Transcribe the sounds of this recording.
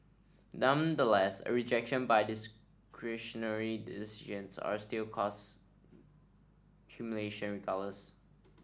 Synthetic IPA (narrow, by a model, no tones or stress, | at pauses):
nʌ̃mdəlɛsə̰ɹid͡ʒɛkʃə̃nbaɪdɪs | kʰɹiʃənəɹidɪsiʒə̃nsa̰stɪlˠkʰɔs | kʰjumjuleʃə̃nɹikʰaləs